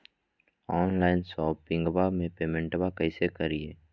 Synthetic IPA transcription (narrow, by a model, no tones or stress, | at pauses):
ɔːnlaːɪnsɔːpːɪ̃ŋɡbamẽpeːmɛ̃ɳʈbakɐɪsekəɾieː